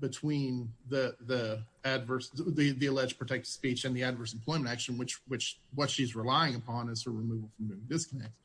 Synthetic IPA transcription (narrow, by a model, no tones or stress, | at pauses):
b̥ɨtʰw̥ĩnðiðiædvɜ˞sðiðiɨlɛd͡ʒpʰɹ̥ɨtʰɛk̚tɨ̥spit͡ʃɨ̃nðiɨdvɜ˞smpʰl̥ɔ̃ɪm̃ntækʃɨ̃n̩wɨt͡ʃwɨt͡ʃwʌtʃizɹəlaɪɪ̃ŋəpʰɑ̃nɨz̥əɹɨmʉvl̩ˠfɹʌ̃mnʉvɪ̃ŋdɪskənɛk̚ts